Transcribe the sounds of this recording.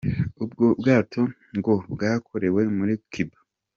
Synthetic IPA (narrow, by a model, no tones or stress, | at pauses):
ub̚ɡobɡaːtʰo̞ | ŋɡobɡaːkʰoɾe̞we̞muɾikʰiba